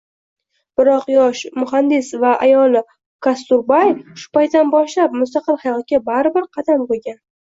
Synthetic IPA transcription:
b̥ɪɾɒqjɒʃmʊhand̪ɪsvaʔajɒlˠɪ | kʰast̪ʊɾbajʃʊ̥pajt̪ːanbɒʃlap̚mʊst̪ɑqɨlˠhɑjɒt̪̚ɡʲabaɾɪbɪɾqʰɑd̪amqolˠɡʲan

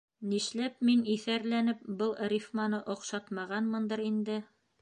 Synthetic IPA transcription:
niʃlæpminiθæɾlænɘp̚bɤlˠrʲifmɑnɤʔɒqʃɑt̪mɑʁɑnmɤ̆nd̪ɤɾind̪ɘ

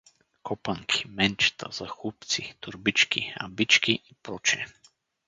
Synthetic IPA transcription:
kɔpaŋkʰi̥mɛnt͡ʃt̪ʰa̰z̥axupt̪sit̪uɾbit͡ʃkḭa̰bit͡ʃkiʔipɾɔt͡ʃɛ̰

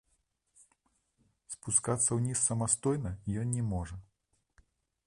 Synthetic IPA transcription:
spuskat̪sːɐwnʲisːɐmast̪ɔjnɐijɔnnʲɛmɔʐɐ

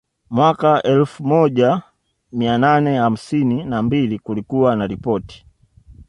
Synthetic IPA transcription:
mwakaɛlfumɔɟa | miananɛham̩sininambilikulikuwanalipɔti̥

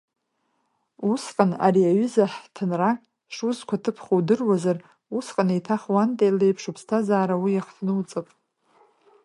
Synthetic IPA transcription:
usqʼana̰ɾiaɥʏzaħtʰɨnra | ʂuzkʷʰatʰɨpʰχowdɨrwazar | usqʼanejtʰaχwantʼejlejpʰʂupʰstʰazaːɾawijaχtʰnɨwt͡sʼɨpʼ

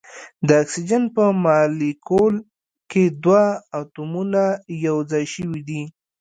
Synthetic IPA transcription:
d̪əaksid͡ʒanpəmɑlikol | ked̪waːt̪umunajawd͡zɑjʃəwid̪i

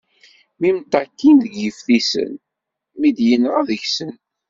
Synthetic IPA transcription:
mimt̪ɑkːinðəɡəfθisə̰n | mid̪jənʁɑðəçsən

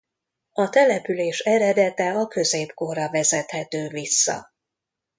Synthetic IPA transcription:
ɒt̪ɛlɛpyleːʃɛɾɛd̪ɛt̪ɛɒkø̞zeːpko̞rːɒvɛzɛt̪hɛt̪øːvisːɒ̰

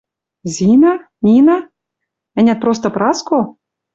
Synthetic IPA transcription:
zʲina | nʲina | ɘ̆nʲæt̪̚pɾost̪ɤ̆pɾɑsko

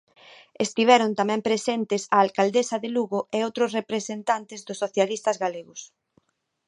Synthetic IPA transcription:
est̪iβ̞ɛɾʊnt̪amɛ̃mpɾesent̪ɪsaːlkald̪esɐðeluɣʊʔeowt̪ɾʊsrepɾesent̪ant̪ɪzðʊsːoθjalist̪ɐzɣaleɣʊs

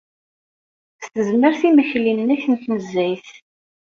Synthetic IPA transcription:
st̪əzməɾθiməçlinnæçənt̪nəzːæjθ

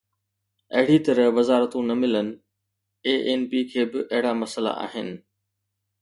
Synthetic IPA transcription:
ɐɦɪɽit̪ɐɾəʋɐzaːɾət̪ũnɐmɪlənɪ̆ | eːʔeːnpiːkʰeːbɪʔɐɦɪɽamɐsəla̰ʔa̰ːɦɪnɪ̆

